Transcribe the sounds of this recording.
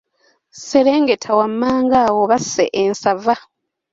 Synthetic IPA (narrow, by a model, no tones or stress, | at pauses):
seɾe̞ːŋɡetʰawamːaːŋɡawoβasḛʔensava